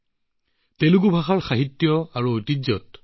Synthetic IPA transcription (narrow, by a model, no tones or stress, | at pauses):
teluɡubʱaxaɹxaɦitːjɔaɹuojtid͡ʒɔt̚